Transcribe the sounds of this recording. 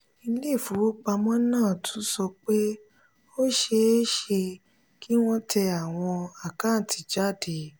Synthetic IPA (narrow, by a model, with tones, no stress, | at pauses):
i˧˦le˦˨fu˨˦o˦k͡pa˧mɔ̃˦nãː˦˨tʰũ˨˦sɔ˧k͡pe˦ | o˦ʃe˧˦ʃe˧ | kʰi˦w̃ɔ̃˦tʰɛ˧a˨w̃ɔ̃˧a˨kã˦˨tʰi˨d͡ʒa˦˨de˨